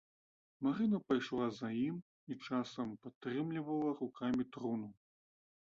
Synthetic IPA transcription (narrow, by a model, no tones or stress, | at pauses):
maɾɨnɐpajʂlˠazajim | it͡ʂasɐmpat̪ːɾɨmlʲivɐlˠɐrukʰamʲit̪ɾunu